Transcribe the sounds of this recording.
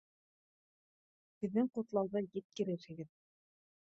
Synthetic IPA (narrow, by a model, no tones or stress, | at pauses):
bɘ̆ðːɘŋqŏt̪lˠɑwðɤjɘt̪̚kɘ̆ɾɘɾɘ̆ɡɘð